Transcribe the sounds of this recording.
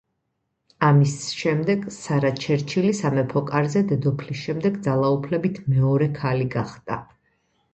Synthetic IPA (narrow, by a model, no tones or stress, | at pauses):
amisʃɛmd̪ɛɡsaɾat͡ʃʰɛɾt͡ʃʰilisamɛpʰɔkʼaɾzɛd̪ɛd̪ɔpʰlisʃɛmd̪ɛɡd̪zalˠaupʰlɛbit̪ʰmɛɔɾɛkʰaliɡaχd̪̥ʼa̰